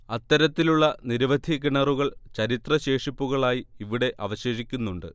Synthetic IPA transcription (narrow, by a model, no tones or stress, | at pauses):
ɐt̪ːɐɾɐt̪ːiluɭːɐniɾɐʋɐd̪ʱiɣiɳɐruɣɐɭt͡ɕɐɾit̪rɐɕe̞ːʂipːuɣɐɭaːjiiʋiɽe̞ʔɐʋɐɕe̞ːʂikʲːunːuɳɖɨ̰